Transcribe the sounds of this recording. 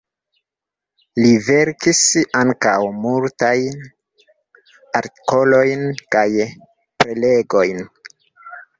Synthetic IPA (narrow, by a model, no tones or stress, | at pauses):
live̞ɾkisaŋka̰wmultajn | aɾti̥ko̞lo̞jnkaj | pɾe̞le̞ɡojn